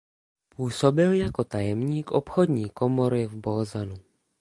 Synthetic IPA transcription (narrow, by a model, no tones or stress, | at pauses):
puːso̞bɪljako̞t̪ajɛmɲiːkʔopxo̞dɲiːkomo̞ɾɪvbozanu